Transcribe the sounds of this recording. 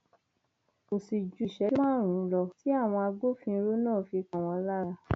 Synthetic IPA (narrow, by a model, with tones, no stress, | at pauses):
o˨si˨d͡ʒu˨ʃɛ˨˦mãː˦˨ɾ̃ũ˨˦˧lɔ˧˨ti˨˦a˦˨w̃ɔ̃˧a˧ɡ͡bo˦fĩ˧ɾo˦nãː˦˨fi˧kã˨w̃ɔ̃˧˦la˦ɾa˧